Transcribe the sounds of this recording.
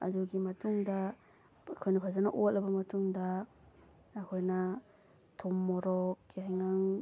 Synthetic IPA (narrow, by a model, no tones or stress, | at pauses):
ɐ̰duɡimɐtuŋdɐ | ɐkʰojnɐpʰazanɐʔot̚lɐbɐmɐtuŋdɐː | kʰojnɐ | tʰomːɔɾɔk̚jajŋaŋ